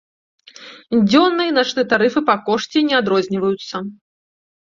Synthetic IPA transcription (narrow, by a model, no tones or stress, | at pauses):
d͡zʲɔnːɨjɐnat͡ʂnɨɐt̪aɾɨfɨpakɔʂt͡sʲɛnʲɛad̪ɾɔzʲnʲivɐjut̪sːɐ